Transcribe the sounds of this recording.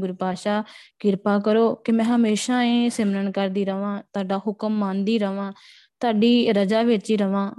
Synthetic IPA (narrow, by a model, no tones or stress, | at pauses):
ɡʊɾpaːʃaːkɪɾpaːkəɾoːkɪmɛ̃ːɦəmeːʃaːẽːsɪmnənkəɾd̪iːɾəʋãːt̪ʊaːɖaːɦʊkəmːãːnd̪iːɾəʋãː | t̪ʊaːɖiːɾəd͡ʒaːʋɪt͡ʃiːɾəʋãː